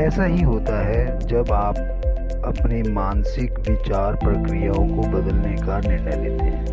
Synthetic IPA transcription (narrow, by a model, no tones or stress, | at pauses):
ɛːsaɦiɦoːt̪aɦɛ | d͡ʒɐbaːp̚ | ɐpnemaːnsɪkʋɪt͡ʃaːɾpɾɐkɾijaõkobɐd̪əlnekanɪɾɳəjleːt̪eɦɛ̃ː